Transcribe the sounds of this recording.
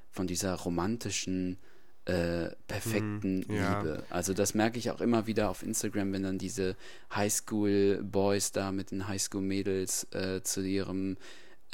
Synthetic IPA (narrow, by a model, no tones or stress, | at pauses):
fɔndiːzɐʁomantʰɪʃn̩ | ʔɛːpʰɛɐfɛk̚tn̩liːbə̰ʔa̰lzodasmɛɐkəɪça̰ʊxʔɪmɐviːdɐaʊfʔɪ̰nstaɡʁamvɛndandiːzə | haɪskuːlbɔʏsd̥aːmɪt̚d̥eːnɦaɪskuːlmeːdl̩sʔɛːt͡suʔiːʁəm